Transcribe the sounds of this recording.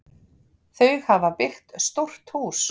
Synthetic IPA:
θœɥɣhavapɪxt̪st̪owr̥t̪huːs

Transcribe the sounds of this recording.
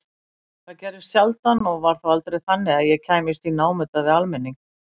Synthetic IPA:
θaðcɛɾðɪ̥sjalt̪anɔɣvaɾ̥θawalt̪ɾejθanːɪaðjɛcʰaːjmɪst̪inaːwmʏt̪avɪalmɛnːiŋk

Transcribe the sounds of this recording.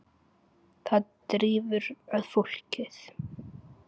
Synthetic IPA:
θaðt̪ɾiːvʏɾœðfol̥cɪθ

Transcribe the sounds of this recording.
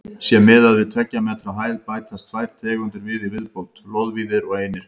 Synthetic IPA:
sjɛmɪðaðvɪðt̪ʰvɛcːamɛt̪ʰɾaɦaːjðpaːjkʰast̪fajɾ̥t̪ʰɛːɣʏnt̪ʏɾvɪðivɪðpowt̪lowðviðɪɾɔɣeːjnɪ

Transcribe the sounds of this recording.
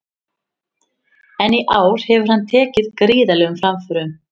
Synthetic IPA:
ɛniʔaːwɾ̥hɛvʏɾ̥hanːt̪ʰɛːcɪðkɾiːðalɛɣʏmfɾamfʏɾʏm

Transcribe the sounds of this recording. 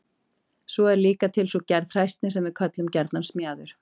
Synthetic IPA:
sɔɛɾliːkat̪ʰɪlsɔcɛɾðr̥ajst̪nɪsɛmvɪðkʰœt̪lʏmcɛɾt̪nansmjaːðʏɾ̥

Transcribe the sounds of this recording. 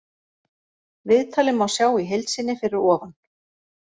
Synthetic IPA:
vɪðt̪ʰaːlɪmːawsjaːwiɦejlt̪sɪnːɪfɪɾɪɾɔːvan

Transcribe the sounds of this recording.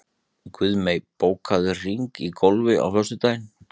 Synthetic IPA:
kvʏðmejpoːwkʰaðʏr̥iŋkikʰolvɪa̰wfœst̪ʏt̪aːjn

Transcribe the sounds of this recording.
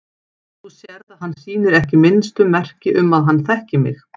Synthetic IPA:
θusjɛɾðaðɦanːsiːnɪɾɛhcɪmɪnst̪ʏmɛr̥cɪʔʏmːaðɦanːθɛhcɪmɪ̰x

